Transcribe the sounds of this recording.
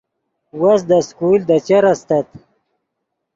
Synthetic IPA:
wasd̪əskuld̪ət͡ʃaɾast̪at̪

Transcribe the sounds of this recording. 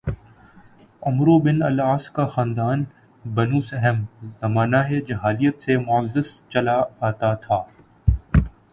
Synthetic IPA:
ʊmɾobɪnɐ̰laːskaxãːnd̪aːn | bɐnuːsɛɦɛmzɐmaːnaɦed͡ʒɐɦaːlijət̪semʊəzːɪst͡ʃɐlaaːt̪at̪ʰaː

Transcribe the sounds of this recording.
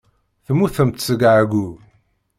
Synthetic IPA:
θmuθəmt̪səɡʕɡʷu

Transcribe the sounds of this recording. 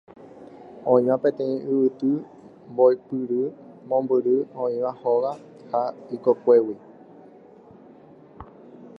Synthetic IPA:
õĩʋãpẽ̞t̪ẽ̞ĩʔɨβɨt̪ɨ | mboipɨɾɨmõmbɨɾɨõĩʋãhoʋa | haikokʷe̞wi

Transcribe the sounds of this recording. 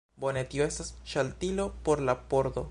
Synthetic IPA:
bo̞net̪ioe̞stasʃalt̪ilo̞poɾlapo̞ɾd̪o

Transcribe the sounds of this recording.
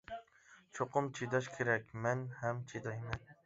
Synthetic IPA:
t͡ʃʰoqʊmt͡ʃʰed̪ɑʃkʲʰeɾakʲmanhamt͡ʃʰed̪ajman

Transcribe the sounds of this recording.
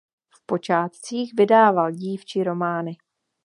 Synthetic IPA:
fpo̞t͡ʃaːt̪t͡siːxvɪdaːvalɟiːft͡ʃɪɾo̞maːnɪ

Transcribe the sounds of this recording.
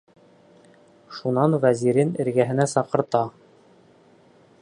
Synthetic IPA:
ʃunɑnvæziɾɘnɘ̆ɾɡæɦɘ̆næsɑqɤ̆ɾt̪ɑ

